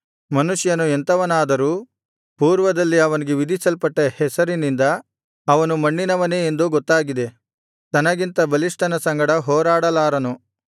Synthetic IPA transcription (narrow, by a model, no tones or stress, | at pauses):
mɐnuʂjɐnuent̪ɐʋɐnaːd̪ɐɾuː | puːɾʋɐd̪ɐlːiɐʋɐniɡeʋid̪ʱisɐlpɐʈːehɛsɐɾinind̪ɐː | ʋɐnumɐɳːinɐʋɐne̞ːend̪uɡɔt̪ːaːɡid̪e̞ | t̪ɐnɐɡint̪ɐbɐliʂʈɐnɐsɐŋɡɐɽɐɦɔːɾaːɽɐlaːɾɐnu